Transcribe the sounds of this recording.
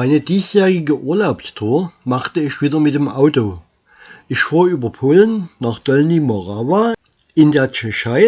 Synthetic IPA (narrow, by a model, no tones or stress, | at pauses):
aɪnəd̥iːsjɛːʁɪɡəʔuːɐlaʊpstʰuːɐmaχtəɪçv̥iːdɐmɪtd̥eːmʔaʊtoː | ʔɪçfuːɐʔyːbɐpʰoːlənnaːχd̥ɔlnimoʁava | ʔɪndeːɐt͡ʃɛʃaɪ